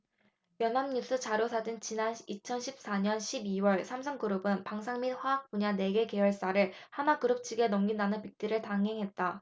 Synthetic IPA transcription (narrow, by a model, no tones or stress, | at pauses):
jʌnɦamɲus͈ʰɯt͡ɕaɾosʰad͡ʑint͡ɕinanit͡ɕʰʌnɕʰip̚s͈aɲʌnɕʰibiwʌɭsʰamsʰʌŋɡɯɾɯbɯnpaŋsʰaŋminɸwaak̚p͈uɲane̞ɡe̞ke̞wʌɭs͈aɾɯɭhanakɯɾɯp̚t͡ɕʰiɡe̞nʌmɡinanɯnpik̚t͈iɾɯɭtaŋɦe̞ŋɦe̞t̚t͈a